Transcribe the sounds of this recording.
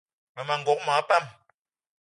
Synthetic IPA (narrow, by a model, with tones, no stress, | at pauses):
mɛ˨ma˨ŋ̩˨ɡɔ˨˦k̚mã˨˦pa˦˨m